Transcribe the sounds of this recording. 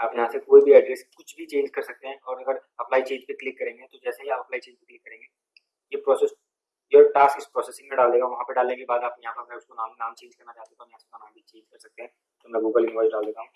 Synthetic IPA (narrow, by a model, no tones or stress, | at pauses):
aːpjɐɦãːsekoːibʱiɛɖɾɛːskʊt͡ʃʰbʱit͡ʃẽːɲd͡ʒkɐɾsɐk̚t̪eɦɛ̃ʔɔːɾɐɡəɾɐplaːit͡ʃeːɲd͡ʒpeklɪkːɐɾẽːŋɡet̪od͡ʒɛːseɦiaːpɐplaːit͡ʃẽːɲd͡ʒpeklɪkːɐɾẽːŋɡeː | jepɾɔːsɛs | joːʈaːskɪspɾɔːsesɪ̃ŋmẽɖaːld̪eːɡãʋɐɦãpeɖaːlnekebaːd̪aːpjɐɦãpɐbɛʊskonaːmnaːmt͡ʃẽːɲd͡ʒkɐɾnat͡ʃaːt̪et̪ʰɔjɐɦãsekɐnãːbʱit͡ʃẽːɲd͡ʒkɐɾsɐk̚t̪eɦɛ̃ | t̪oʊmɛ̃ɡuːɡəlɪnʋaːd͡ʒɖaːld̪eːɡaɦũː